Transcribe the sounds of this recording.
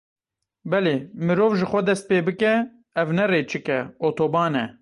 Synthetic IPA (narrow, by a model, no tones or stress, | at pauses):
bɛleːmɨɾoːvʒɨxʷɛd̪ɛst̪̚peːbɨkɛ | ɛvnɛreːt͡ʃʰɨkɛoːt̪ʰoːbɑːnɛ